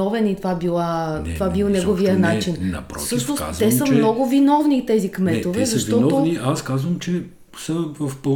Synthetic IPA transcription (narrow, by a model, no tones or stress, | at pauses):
ɔvɛnit̪ovabilˠat̪ovabilˠnɛɡoviənat͡ʃin̰pɾfsɤʃnost̪ɛsəmnnɔɡʊvinɔvnit̪ɛzikmɛt̪ovɛzɐʃtvɔnɔt̪ovniaskazvɐmt͡ʃɛ | sɐvɐfpo